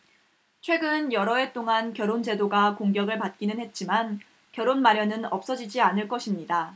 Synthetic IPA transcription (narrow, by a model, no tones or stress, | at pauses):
t͡ɕʰwe̞ɡɯnjʌɾʌe̞t͈oŋankjʌɾond͡ʑe̞doɡakoŋɡjʌɡɯɭpat̚k͈inɯnɦhe̞t̚t͡ɕ͈iman | kjʌɾonmaɾjʌnɯnʌp̚s͈ʌd͡ʑid͡ʑianɯɭk͈ʌɕʰimɲida